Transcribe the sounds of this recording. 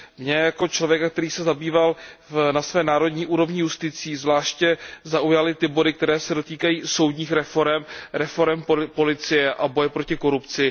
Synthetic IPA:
mɲɛjako̞t͡ʃlo̞vjɛkak̚t̪ɛɾiːsɛzabiːvalvnasvɛːnaːɾo̞dɲiːʔuːɾo̞vɲɪjust̪ɪt͡siːzvlaːʃcɛzaujalɪt̪ɪbo̞dɪk̚t̪ɛɾɛːsɛdo̞t̪iːkajiːso̞wdɲiːxɾɛfo̞ɾɛmɾɛfo̞ɾɛmpo̞lɪt͡sɪjɛʔabo̞jɛpɾo̞cɪko̞ɾupt͡sɪ

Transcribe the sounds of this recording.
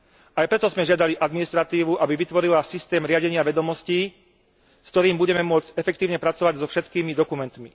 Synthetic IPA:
ajpɾɛt̪ɔzmɛʒɪad̪aliʔad̪minist̪ɾat̪iːʋuʔabiʋit̪ʋɔɾilasist̪ɛːmɾɪaɟɛɲɪaʋɛd̪ɔmɔsciː | skt̪ɔɾiːmbuɟɛmɛmʊɔd͡zcɛfɛk̚t̪iːʊɲɛpɾat͡sɔʋaɟzɔfʃɛt̪kiːmid̪ɔkumɛnt̪mi

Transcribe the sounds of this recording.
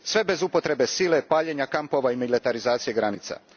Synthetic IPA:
sʋe̞be̞zupo̞t̪ɾe̞be̞siːle̞paːʎeɲakampo̞ʋaimilit̪aɾizaːt̪sije̞ɡɾanit̪sa̰

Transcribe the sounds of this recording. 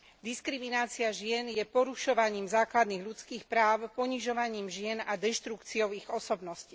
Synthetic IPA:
d̪iskɾiminaːt͡siaʒɪɛnjɛpɔɾuʃɔʋaɲiːmzaːklad̪niɣʎut͡skiːxpɾaːʊpɔɲiʒɔʋaɲiːmʒɪɛnad̪ɛʃt̪ɾukt͡siɔʊiɣɔsɔbnɔsci̥

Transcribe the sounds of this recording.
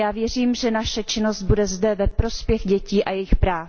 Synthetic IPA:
jaːvjɛr̝iːmʒɛnaʃɛt͡ʃɪno̞zt̪̚budɛzdɛvɛpɾo̞spjɛxɟɛciːʔajɛjɪxpɾaː

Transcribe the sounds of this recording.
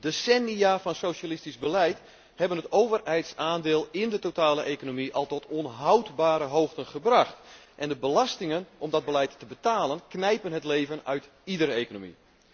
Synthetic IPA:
d̥esɛniafɑnsowʃalɪstizbəlɛjt | hɛbənɦətowvərɦɛjtsaːndɪːlˠɪndətotaːləʔejkonomiʔɔlˠtɔtʰonɦawtbaːɾəɦowxtənχəbraxt | ʔɛndəbəlastɪŋənɔmdɔd̚bəlɛjtːəbətaːlənknɛjpənɦətleːvənœɥt | idəreːkonomḭ

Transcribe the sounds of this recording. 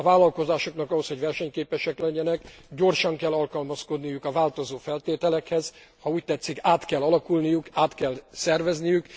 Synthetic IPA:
ɒvaːlɒlko̞zaːʃo̞knɒkɒɦo̞sho̞ɟvɛrʃɛɲkeːpɛʃɛklɛɲːɛnɛkɟo̞rʃɒŋkɛlːɒlkɒlmɒsko̞d̪nijukɒvaːlt̪o̞zoːfɛlt̪eːt̪ɛlɛkhɛz̥hɒuːc̚t̪ɛt̪sːikaːt̪kɛlːɒlɒkulnijukaːt̪kɛlsɛrvɛznijyk

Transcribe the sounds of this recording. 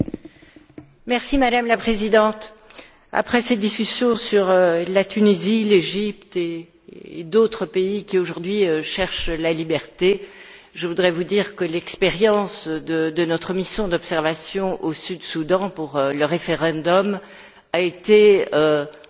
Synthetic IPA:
mɛʁsimad̪amlapχezid̪ɑ̃t̪ | a̰pχɛsed̪iskʲysjɔ̃syʁølat̪ynizileʒipt̪eː | d̪ot̪χəpeikʲioʒuʁd̪ɥiøʃɛʁʃlalibɛʁt̪e | ʒəvud̪ʁɛvud̪iʁkəlɛkspeʁjɑ̃sd̪əd̪ənɔt̪χəmisjɔ̃d̪ɔpsɛʁvasjɔ̃ʔosyd̪sud̪ɑ̃puʁøləʁefeʁɑ̃d̪ɔm | aet̪eø

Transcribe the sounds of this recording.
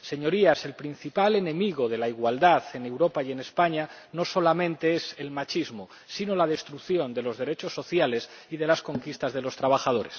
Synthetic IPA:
se̞ɲo̞ɾiase̞lpɾin̟θipale̞nẽ̞miɣ̞o̞ð̞e̞laiɣwald̪aðe̞ne̞wɾo̞paje̞ne̞spaɲa | no̞so̞lamẽ̞nt̪e̞ese̞lmat͡ʃizmo | sino̞lað̞e̞st̪ɾukθjo̞nd̪e̞lo̞zðe̞ɾe̞t͡ʃo̞sːo̞θjale̞siðe̞laskoŋkist̪azð̞e̞lo̞st̪ɾaβaxaðo̞ɾe̞s

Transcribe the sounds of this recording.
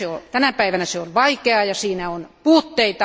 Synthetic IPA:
eot̪ænæpæiʋænæseolʋɑikeɑjɑsiːnæonpuːt̪ːeit̪ɑ

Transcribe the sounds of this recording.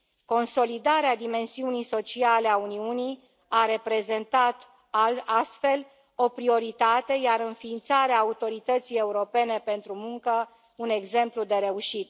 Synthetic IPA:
ko̞nso̞lid̪aɾead̪ime̞nsiunijso̞t͡ʃialeauniunij | aɾe̞pɾe̞ze̞nt̪at̪ | aast̪fe̞l | o̞pɾio̞ɾit̪at̪e̞jaɾɨnfiːnt̪saɾeaːut̪o̞ɾit̪ət̪sije̞uɾo̞pe̞ne̞pe̞nt̪ɾumuŋkə | une̞ɡze̞mplud̪e̞ɾe̞uʃit̪

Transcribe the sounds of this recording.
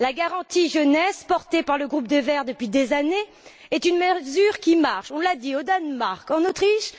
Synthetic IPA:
laɡaʁɑ̃t̪iʒənɛspɔʁt̪epaʁləɡʁup̚d̪əvɛʁd̪əpɥid̪ezane | ɛt̪ynməzyʁkʲimaʁʃɔ̃lad̪iod̪anmaʁkɑ̃not̪χiʃ

